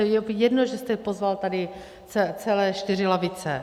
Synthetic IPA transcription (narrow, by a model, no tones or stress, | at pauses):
jɛjɛdnoʒɛst̪ɛpo̞zvalt̪adɪ | t͡sɛt͡sɛlɛːʃt̪ɪrɪlavɪt͡sɛ